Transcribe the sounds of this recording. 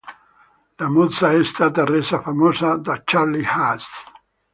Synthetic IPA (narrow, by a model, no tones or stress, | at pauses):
lamod̪saɛst̪aːt̪arezafamoːzad̪at͡ʃaɾlihast̪